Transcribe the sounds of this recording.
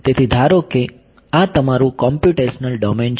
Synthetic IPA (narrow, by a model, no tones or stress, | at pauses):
t̪et̪ʰid̪ʱaɾoke | at̪əmaɾũkɔmpjuʈeʃənəlɖɔmen